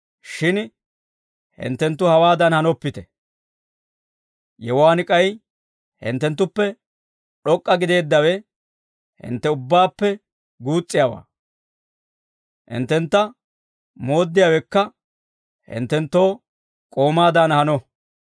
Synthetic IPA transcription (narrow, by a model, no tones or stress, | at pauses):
ʃɪn | hɪ̰nt̪ːɛnt̪ːʊhɐwaːd̪ɐnhɐnɔpːɪt̪ɛ | jɛwaːnɪkʼɐj | hɪ̰nt̪ːɛnt̪̬ːʊpːɛ | ɗɔkʼːɐɡɪd̪e̞ːd̪ːɐwɛ | hɪ̰nt̪ːɛʊbːaːpːɛ | ɡuːt͡sʼːɪjawa̰ː | hɪ̰nt̪ːɛnt̪ːɐ | mo̞ːd̪ːɪjawɛkːɐ | hɪ̰nt̪ːɛnt̪ːo̞ː | kʼo̞ːmaːd̪ɐnhɐnɔ